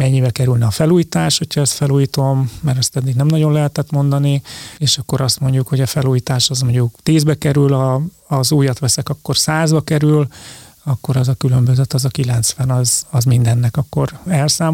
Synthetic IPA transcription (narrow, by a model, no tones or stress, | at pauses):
mɛɲːibɛkɛɾylnɛɒfɛluːjit̪aːʃho̞cʰhɒɛst̪fɛluːjit̪o̞mːɛɾɛst̪ɛd̪ːiːɡnɛmnɒɟo̞nlɛɦɛt̪ɛt̪mo̞nd̪ɒnieːʃɒkːo̞ɾɒst̪mo̞ɲɟukho̞ɟɒfɛluːjiːt̪aːʃɒzmoɲɟukt̪eːzbɛkɛɾylɒː | zuːjɒt̪ʋɛsɛkɒkːo̞rsaːzbɒkɛɾyl | ɒkːo̞ɾɒzɒkylø̞mbøzøt̪ɒzɒkilɛnt̪sfɛnɒzɒzmind̪ɛnːɛkɒkːo̞ɾɛlsaːm